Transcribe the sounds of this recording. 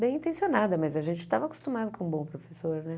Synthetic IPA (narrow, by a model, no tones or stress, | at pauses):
bẽj̃ĩnt̪ẽsionad̪ɐmɐzɐʒẽnt͡ʃɪ̥t̪avɐko̥st̪ũmad̪ʊkõũbõpɾofesoɾnɛ